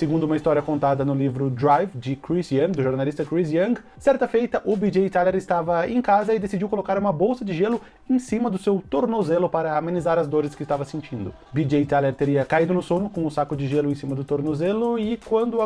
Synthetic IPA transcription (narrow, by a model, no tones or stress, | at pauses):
seɡũnd̪ʊũmɐist̪ɔɾiɐkõnt̪ad̪ɐnʊlivɾʊd̪ɾajvd͡ʒɪkɾisiɐ̃d̪ʊʒoɾnalist̪ɐkɾizɐ̃ɡ | sɛɾt̪ɐfejt̪ɐʔʊbid͡ʒejt̪aleɾɪst̪avɐẽkazɐɪd̪esid͡ʒiwkolokaɾũmɐbowsɐd͡ʒɪʒelʊ | ẽsĩmɐd̪ʊsewt̪oɾnozelʊpaɾɐːmẽnizaɾɐzd̪oɾɪskɪst̪avɐsẽnt͡ʃĩnd̪ʊ | bid͡ʒejt̪aleɾt̪eɾiɐkaid̪ʊnʊsonʊkõw̃ʊsakʊd͡ʒɪʒelʊẽsĩmɐd̪ʊt̪oɾnozelʊɪkwɐ̃nd̪ʊ